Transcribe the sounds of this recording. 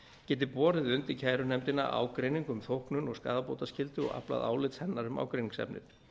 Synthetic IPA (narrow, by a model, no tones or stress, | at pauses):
cɛːt̪̬ɪpɔːɾɪðʏnt̪ɪcʰaːjɾʏnɛmt̪ɪnːa̰ʔa̰wkɾejniŋkʏmθowhknʏnɔɣska̰ːðapoːwt̪ascɪlt̪ɪɔ̰ɣa̰pla̰ða̰ːwlɪt̪shɛnːaɾʏma̰ːwkɾejniŋsɛ̰pnɪ̰ɾ